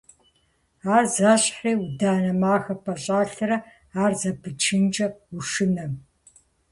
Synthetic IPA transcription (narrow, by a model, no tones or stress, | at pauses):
aːrzaːɕħiːwudaːnɐmaːxɐpʰɐɕʼaːɬɨrɐ | aːrzɐpʰɨt͡ʃʰɨnt͡ʃʼɐuʂɨnɐ